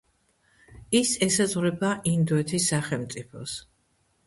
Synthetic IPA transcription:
isɛsazʁɾɛbaʔind̪ɔɛt̪ʰisːaχɛlmt̪sʼipʰɔ̰s

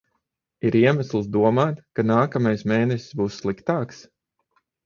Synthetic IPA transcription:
iɾiɛmaslˠsd̪uɔmaːt̪kanaːkamajsmeːnɛsi̥sbuːsːlˠikt̪aːks

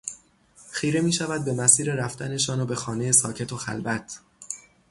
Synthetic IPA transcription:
xiːɾe̞miːʃævæd̪̚be̞mæsiːɾe̞ɾæft̪æne̞ʃɒːnobe̞xɒːne̞je̞sɒːcʰe̞t̪ʰoxæ̰lbæt̪ʰ

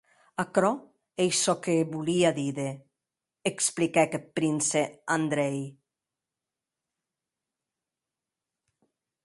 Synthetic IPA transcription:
akɾɔ | ejsɔkeβuliaðiðe | eksplikɛkepɾinseand̪ɾɛj

